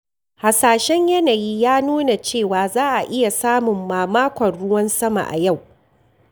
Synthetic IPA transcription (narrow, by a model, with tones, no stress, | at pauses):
ha˨saː˨ʃɛ˦ɲjɐ˦naː˨jiː˦jaː˦nuː˦na˨t͡ʃeː˦˨waː˨zaː˦ʔa˨ʔɪ˦ja˨saː˦mʊ˨mːaː˨maː˦kʷɐ˨nɽʊ˦wɐ˦nsɐ˦ma̰˨ʔa̰˨ja˦˨w